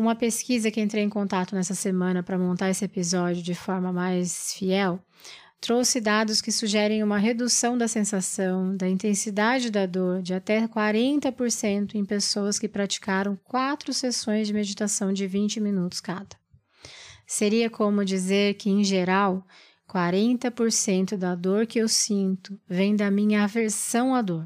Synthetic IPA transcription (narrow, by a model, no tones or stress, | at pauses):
ũmɐpeskizɐkɪẽnt̪ɾewẽj̃kõnt̪at̪ʊnɛsɐsemɐ̃nɐpɾɐmõnt̪aɾesɪepizɔd͡ʒiʊd͡ʒɪfɔɾmɐmajsfiɛw | t̪ɾowsɪd̪ad̪ʊskɪsuʒɛɾẽj̃ũmɐɦed̪usɐ̃w̃d̪ɐsẽsasɐ̃w̃d̪ɐĩnt̪ẽsid̪ad͡ʒɪd̪ɐd̪oɾd͡ʒɪat̪ɛkwaɾẽnt̪ɐpoɾsẽnt̪ʊẽj̃pesowɐskɪpɾat͡ʃi̥kaɾɐ̃w̃kwat̪ɾʊsesõj̃zd͡ʒɪmed͡ʒit̪asɐ̃w̃d͡ʒɪvĩnt͡ʃɪmĩnut̪ʊ̥skad̪ɐ̥ | seɾiɐkʰõmʊd͡ʒizeɾkɪẽj̃ʒeɾaw | kwaɾẽnt̪ɐpoɾsẽnt̪ʊd̪ɐd̪oɾkɪewsĩnt̪ʊvẽj̃d̪ɐmĩɲɐːveɾsɐ̃w̃ɐd̪oɾ